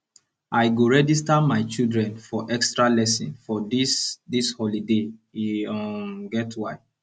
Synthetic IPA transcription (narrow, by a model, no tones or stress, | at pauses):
ʔaɪɡoɹɛd͡ʒistamaɪt͡ʃildɹɛ̃nfɔʔɛkstɹalɛsĩnfɔdisdishɔlideiɔmɡɛtwaɪ